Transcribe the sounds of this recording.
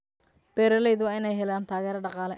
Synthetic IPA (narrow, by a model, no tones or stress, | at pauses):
b̥ɛːɾɐlɛjðʊwɑːɪnɛjɦɛlaːnt̪ʰaːɣɛːɾɐɖɑqɑːlɛ